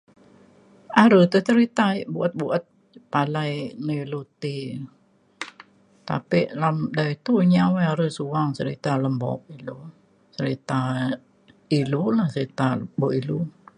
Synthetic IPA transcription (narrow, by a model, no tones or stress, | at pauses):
aɾət̪ut͡ʃəɾit̪aiʔbuʔat̪̚buʔat̪̚ | palajnəlut̪i | t̪a̰piʔlamdait̪uɲawaaɾəsuaŋsəɾit̪aləmbɔ̰k̚ilu | səɾit̪a | ilulahsəɾit̪abɔʔilu